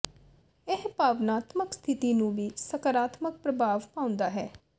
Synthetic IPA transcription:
ɪɦpaːʋnaːt̪məkst̪ʰɪt̪iːnũːʋiːsəkəɾaːt̪mək̚pɾəbʱaːʋpãːʊ̃nd̪aːɦɛː

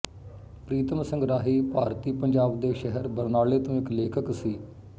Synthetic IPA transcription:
pɾiːt̪əmsəŋɡɾaːɦiːpaːɾt̪iːpəɲd͡ʒaːbd̪eːʃɛɦəɾbəɾnaːɭeːt̪õːɪkleːkʰəksiː

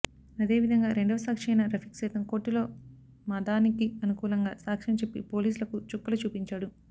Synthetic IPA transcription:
ɐd̪e̞ːʋid̪ʱɐŋɡaːɾeɳɖɐʋɐsaːkʂɛjnɐɾɐpʰi̥ksɐjt̪ɐmko̞ːʈːilo̞ː | mɐd̪aːnikiɐnukuːlɐŋɡa̰ːsaːkʂɐmt͡ʃe̞pːḭpo̞ːliːs̬ulɐkut͡ʃukːɐlɐt͡ʃuːpiɲt͡ʃaːɽu

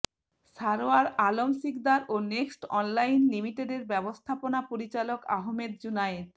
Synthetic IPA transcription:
ʃaɾoaɾalomʃikd̪aɾoneksʈɔnlajnlimiʈeɖeɾbɛbost̪ʰaponapoɾit͡ɕaloka̰ɦmed̪̚d͡ʑunaed̪

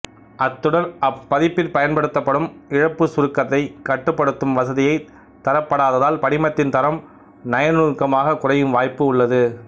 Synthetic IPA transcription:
ʔɐt̪ːɯɽɐlɐpːɐðɪpːɪlpɐjɐnpɐɽɯt̪ːɐpːɐɽɯmɪɻɐpːɯsʊɾɯkːɐt̪ːɐɪkɐʈːɯpːɐɽɯt̪ːɯmʋɐsɐðɪjɐɪ | t̪ɐɾɐpːɐɽaːðɐðaːlpɐɽɪmɐt̪ːɪnt̪ɐɾɐm | nɐjɐnɯɾkːɐmaːɣɐkʊrɐjɯmʋaːjpːɯʊɭːɐðɯ

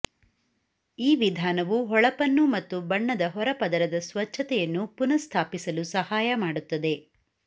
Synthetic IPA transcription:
iːʋid̪ʱaːnɐʋuɦɔɭɐpɐnːumɐt̪ːubɐɳːɐd̪ɐɦɔɾɐpɐd̪ɐɾɐd̪ɐsʋɐt͡ʃʰːɐt̪ɛjɐnːupunɐst̪ʰaːpisɐlusɐhaːjɐmaːɽut̪ːɐd̪e̞

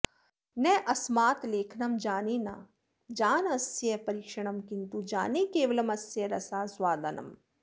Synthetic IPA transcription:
nɛ̃ʔɐsmaːt̪leːkʰnɐmd͡ʒaːneːna̰ː | d͡ʒaːnɐsjɐpɐɾiːkʃɐɳ̃ɐmkint̪ud͡ʒa̰ːneːkeːʋɐlɐmɐsjɐɾɐsaːswaːd̪ɐnɐ̰m

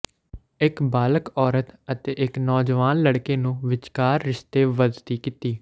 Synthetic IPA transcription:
ɪkbaːləkɔːɾət̪ət̪eːʔɪknɔːd͡ʒʋaːnləɽkeːnũːʋɪt͡ʃkaːɾːɪʃt̪eːʋəd̪t̪iːkiːt̪iː

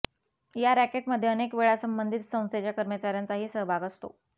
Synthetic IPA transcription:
jaɾækeʈməd̪ʱːjeənekʋeɭasəmbənd̪ʱit̪sə̃w̃st̪et͡ɕjakəɾmət͡ɕaɾjant͡saɦiːsəɦbʱaɡəst̪o̰

